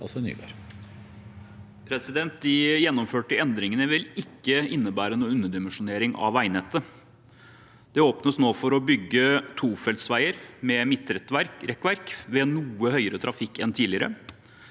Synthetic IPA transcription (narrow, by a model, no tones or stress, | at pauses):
ɑ̰sɔny̰ːbḛɾ | pʰɾɛsɪd̪ɛnt̪̚d̪ɪjɛnːɔmføːʈəɛnd̪ɾɪŋənəʋɪlɪkːəɪnːəbæːɾənuːʉnːəɖ̪ɪmənʂʊneːɾɪŋʔɑ̰ʋæɪnɛt̪ːə | d̪̥ɛoːpnəsnoːfɔɾɔbʏɡːət̪ʰuːfɛlt̪sʋæɪəɾmɛmɪt̪ːɾɛt̪ʋæɾɾɛkːʋæɾkʋɛnuːəhœʏəɾət̪ʰɾʔɑfɪkːɛnt̪ʰiːlɪəɾə̰